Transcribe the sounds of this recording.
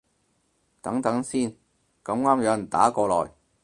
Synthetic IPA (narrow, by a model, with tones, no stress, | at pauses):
t̪ɐ˨˥ŋt̪ɐ˨˥ŋsiː˥˩n | kɐ˨˥mŋaː˥mjœː˨˥ŋt̪a̰ː˨˥kɔː˧lɔ̰ː˨˩j